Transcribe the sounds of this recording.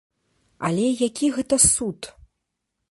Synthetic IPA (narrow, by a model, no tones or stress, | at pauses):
ɐ̰lʲɛjakʲiɣɛt̪ɐsut̪